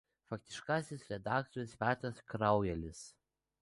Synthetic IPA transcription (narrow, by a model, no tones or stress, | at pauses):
fɐk̚t̪ʲɪʃkɑːsʲɪsɾʲɛd̪ɑːk̚t̪ɔɾʲʊspʲæːt̪ɾɐskɾɑˑʊjɛlʲɪs